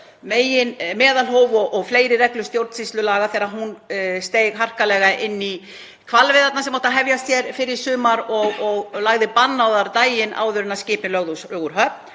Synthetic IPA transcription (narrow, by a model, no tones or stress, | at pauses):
meːjɪnmɛːðalɦoːwvɔʔɔɣfleːjɾɪrɛklʏst̪jowɾt̪nsist̪lʏlaːɣaθɛːɾaɦunst̪eːjɣɦar̥kalɛɣaʔɪnːi | kʰvalvɪðat̪nasɛmːowht̪aɦɛvjast̪jɛɾfɪɾɪɾ̥sʏːmaɾɔɣɔɣlaɣðɪpanːawðaɾt̪aːjɪnʔa̰ːwðʏɾʏnascɪːp̪ɪlœɣðowsœɣʏɾɦœp̪̚